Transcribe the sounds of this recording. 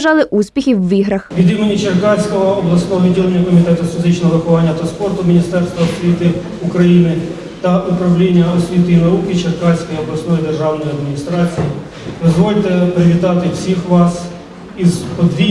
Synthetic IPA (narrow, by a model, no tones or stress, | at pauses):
ʒɑlˠɪʔusʲpʲixʲiwːiɦɾɐxʋʲid̪imenʲit͡ʃerkɑsʲkɔɦɔːblˠɐsnɔɦɔʋʲidʲilˠenʲːɐkɔmʲit̪ɛt̪ʊfʲizɪt͡ʃnɔɦɔɾʊxʊʋɑnʲːɐt̪ɔspɔrt̪ʊmʲinʲist̪ɛrst̪ʋɐɔsʲʋʲit̪ɪ | ukɾɐjinɪ | t̪ɐʔupɾɐwlʲinʲːɐɔsʲʋʲit̪ɪinɐukɪt͡ʃerkɑsʲkɔjiɔblˠɐsnɔjid̪erʒɑwnɔjiɐd̪mʲinʲist̪ɾɑt͡sʲiji | d̪ɔzʋɔlʲt̪ɛpɾɪʋʲit̪ɑt̪ɪwsʲixʋɑs | izpɔd̪ʋʲi